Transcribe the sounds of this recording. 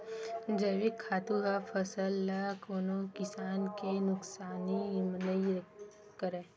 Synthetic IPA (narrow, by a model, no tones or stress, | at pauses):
d͡ʒəʋikʰːaːt̪uɦapʰəsəlːakoːnõkɪsaːnkenʊksaːnimnəi | kəɾeː